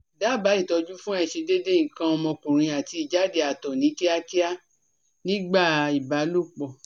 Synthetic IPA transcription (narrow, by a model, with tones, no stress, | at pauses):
da˨˦˨ba˨˦i˦˨tɔ˧d͡ʒu˦fũ˦a˦˧i˨ʃe˧de˦de˦ŋ̩̃˨kã˧ɔ˧mɔ̃˧kũ˨ɾ̃ĩ˧a˨ti˧i˨d͡ʒa˨˦de˨˧˨a˨tɔ˨nĩ˨˦ki˦a˦ki˦a˦ | nĩ˦ɡ͡ba˦˨i˨ba˨˦lu˦˨k͡pɔ˨